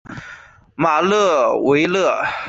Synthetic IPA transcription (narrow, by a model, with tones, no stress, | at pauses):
ma˨˩lɤ˥˩we˧˥ɪlɤ˥˩